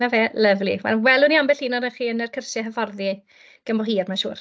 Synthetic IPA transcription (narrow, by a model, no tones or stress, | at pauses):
aveːlˠəvliwɛ̰lwɛlˠʊniambɛɬiːnɔdəχiːənərkʰərsɛɦəvɔrði | ɡ̥əmbɔɦiːrmanʃuːr